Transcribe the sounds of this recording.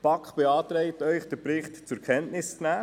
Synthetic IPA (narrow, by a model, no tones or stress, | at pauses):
pɑkχb̥eɑːt̪ɾɛɪtœʏχd̥əpɾɪχtt͡sʊkʰɛntnɪst͡snæː